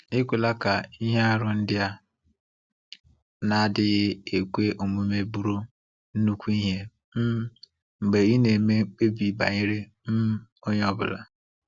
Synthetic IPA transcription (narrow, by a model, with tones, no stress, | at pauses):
ɪ˦kʷi˨la˦ka˨i˦ɦe˦a˦ɾʊ˨n̩˦dɪ˦a˦ | na˨dɪ˦ɣɪ˦e˨kʷe˦ʔo˨mu˨me˦bu˦ɾo˦ | n̩˦nu˦kʷu˦i˦ɦe˦ | m̩˦ | ŋ͡m̩˨ɡ͡be˨ɣi˦ne˨me˦k͡pe˦bi˨ba̰˨ɲɪ˦ɾe˦ | m̩˦o˦ɲ˦ɔ˦bʊ̰˨la̰˨